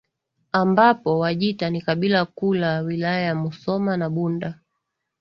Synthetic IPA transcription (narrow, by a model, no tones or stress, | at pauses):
ambapɔwaʄitanikaɓilakulawilajajamusɔmanaɓunda